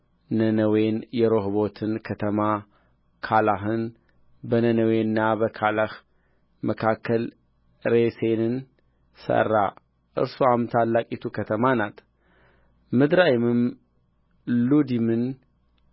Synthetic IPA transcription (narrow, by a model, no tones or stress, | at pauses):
nənəwenjɛɾo̞ɦbo̞t̪ʰɨnkʰət̪ʰəma | kʰalaɦɨn | bənənəwenːabəkʰalah | məkʰakʰːəl | ɾesenɨn | sə̰rːa | ʔɨ̰ɾsoamt̪ʰalːakʼit̪ʰukʰət̪ʰəmanat̪ʰ | mɨd̪ɾajɪmɨm | lud̪imɨn